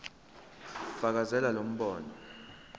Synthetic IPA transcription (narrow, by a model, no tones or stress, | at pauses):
v̥ak̬azɛlalom̩ɓɔːnɔ